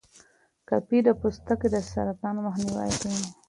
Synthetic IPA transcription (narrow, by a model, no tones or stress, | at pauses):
kapid̪əpust̪əked̪əsa̰ɾat̪ɑnomaxniwa̰jkawi